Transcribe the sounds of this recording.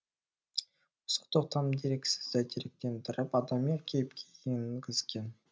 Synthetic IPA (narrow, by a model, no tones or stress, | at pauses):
ʊ̥sə̥qt̪oq̚t̪ʰɑmd̪eɾe̞kʲsɪ̥zd̪æt̪ʰeɾek̚t̪e̞nt̪ʰʊɾəpɑd̪ɑmjekʲʰejɪpkʲʰeɡʲeŋɡʲɪz̥ɡʲe̞n